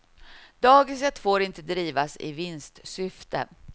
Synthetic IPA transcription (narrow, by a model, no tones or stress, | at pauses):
d̪̥ɑːɡɪs̬ɛt̪ːfoːɾɪnt̪əd̪ɾiːvasɪ̰vɪnst̪sʏft̪ə̰